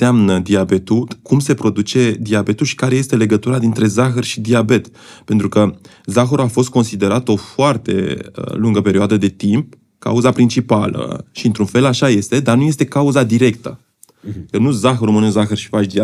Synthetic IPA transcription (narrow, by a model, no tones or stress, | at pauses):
seamnəd̪iabe̞t̪ulkumse̞pɾo̞d̪ut͡ʃe̞d̪iabe̞t̪ulʃi̥kaɾe̞je̞st̪e̞le̞ɡət̪uɾad̪int̪ɾe̞zaxərʃid̪iabe̞t̪ | pe̞nt̪ɾukə | zaxəɾuafo̞s̬t̪̚ko̞nsid̪e̞ɾat̪o̞foart̪e̞̰ə̰luŋɡəpe̞ɾioad̪əd̪e̞t̪imp̚ | ka̰uzapɾint͡ʃipalə̰ʃiɨnt̪ɾunfe̞laʃaje̞st̪e̞d̪arnuje̞st̪e̞kauzad̪iɾe̞kt̪ə | kənuzaxəɾumɨnuzaxərʃi̥fat͡ʃd̪ia